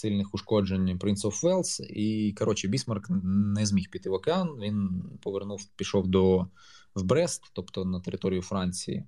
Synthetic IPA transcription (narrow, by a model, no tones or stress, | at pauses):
sɨlʲnɪxʊʂkɔd͡ʒenʲpɾʲinsɔfʋɛlˠsikɐɾʔɔt͡ʃɪbʲismɐrknɛzʲmʲixpʲit̪ɪʋɐkɪanʋʲinpɔʋernufpʲiʃɔwd̪ɔ | wbɾɛst̪t̪ɔpt̪ɔnɐt̪eɾɪt̪ɔɾʲɪjʊfɾɑnʲt͡sʲḭjḭ